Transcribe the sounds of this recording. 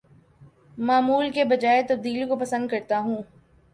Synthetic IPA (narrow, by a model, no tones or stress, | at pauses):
maːmuːlkebɐd͡ʒaːet̪ɐb̚d̪iːlikopɐsə̃nd̪̚kɐɾt̪aɦũː